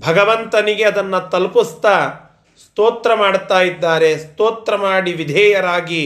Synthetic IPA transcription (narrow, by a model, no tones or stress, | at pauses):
bʱɐɡɐʋɐnt̪ɐniɡe̞ɐd̪ɐnːɐt̪ɐlpust̪ɐ | st̪oːt̪ɾɐmaːɽt̪aːjid̪ːaːɾe̞st̪oːt̪ɾɐmaːɽiʋid̪ʱɛːjɐɾaːɡi